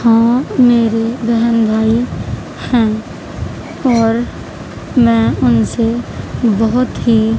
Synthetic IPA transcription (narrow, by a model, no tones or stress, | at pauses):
hãmeːɾebəɦənbʱaːi | hɛ̃ː | ɔːɾ | mɛ̃ʊnsebəɦʊt̪ɦi